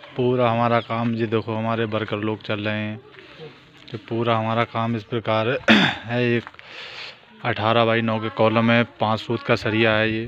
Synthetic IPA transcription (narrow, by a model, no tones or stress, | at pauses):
puːɾaɦɐmaːɾakaːmjed̪eːkʰoɦɐmaːɾebəɾkəɾloːɡt͡ʃəlːəẽɦɛ̃ | kepuːɾaɦɐmaːɾakaːmɪspɾəkaːɾɦɛeːk | əʈʰaːɾabʱaːinɔːkekɔːləmẽpãːt͡ʃsuːt̪kasəɾijaɦɛjeː